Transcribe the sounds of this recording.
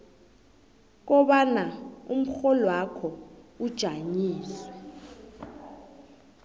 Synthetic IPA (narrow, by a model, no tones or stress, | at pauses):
k̬ɔɓanaum̩xɔlwakʰɔud̥ʒ̥ʱaɲiːsɛ̥